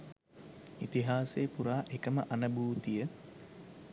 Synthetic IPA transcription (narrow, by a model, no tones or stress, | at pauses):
it̪iɦaːseːpuɾaːʔekəməʔanəbuːt̪ijə